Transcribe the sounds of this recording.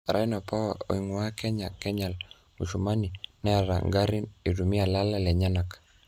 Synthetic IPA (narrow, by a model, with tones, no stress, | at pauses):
ɾa˦i˦na˨pa˦wa˨o̰˨iŋwa˦kɛ˦ɲa˨kɛ˦ɲa˨l | ṵ˨t͡ʃu˨ma˦ni˨nɛ˦a˨ɾa̰˨ŋɡa˦ɾi˦ni˨ɾu˨mi˦a˨la˦la˦lɛ˨ɲa˦na˨k